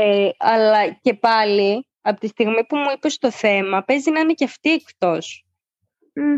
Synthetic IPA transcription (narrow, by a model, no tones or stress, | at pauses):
eɐlɐce̞pɐli | ɐpot̪ist̪iɣmipumuipe̞st̪o̞θe̞mɐpe̞zinɐineceɐft̪iekt̪o̞s